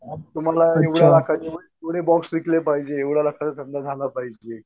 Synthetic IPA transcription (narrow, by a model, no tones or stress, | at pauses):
at̪um̤alaeʋɽjjalakʰaeʋɽet̪oɽ̃ebɔksd̪iklepaɦid͡ʑeːʋɽjalakʰat͡sat̪ʰənd̪ad͡zʱalapaɦid͡ʑe